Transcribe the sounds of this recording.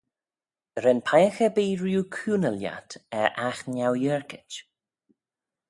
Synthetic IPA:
ɾɛnpʰajəxəbiːɹjuːkʰuːnəlja̰tɛʔaxnawjəɹkɪt͡ʃ

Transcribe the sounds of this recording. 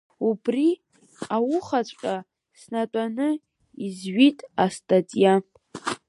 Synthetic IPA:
ubri | awʊχat͡ɕʷʼqʲʼa | snatʼanɨ | izɥitʼastʼatʼja

